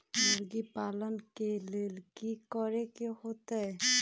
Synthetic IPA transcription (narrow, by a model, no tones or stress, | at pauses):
moɾɡipalɔnkelelkikɔɾekehot̪aj